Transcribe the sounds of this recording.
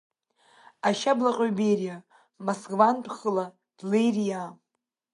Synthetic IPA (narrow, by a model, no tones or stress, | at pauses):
aʃablaqʼɥbejrija | masɡvanpʼʰχəla | d̥lejrija